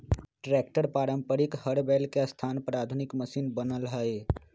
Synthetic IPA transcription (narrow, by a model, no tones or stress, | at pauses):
ʈɾeːkʈəɾpaːɾə̃mpəɾikhəɽbelkest̪ʰaːnpɾaːt̪ʰunɪkməsiːnbənəlɦəe